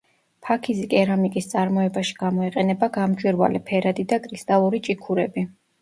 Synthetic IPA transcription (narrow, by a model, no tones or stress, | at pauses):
pʰakʰizikʼɛɾamikʼist̪sʼaɾmɔɛbaʃi̥ɡ̥amɔɛqʼɛnɛbaɡamd͡ʒʼwiɾva̰lɛpʰɛɾad̪id̪akʼɾist̪ʼalˠuɾit͡ʃʼikʰuɾɛbi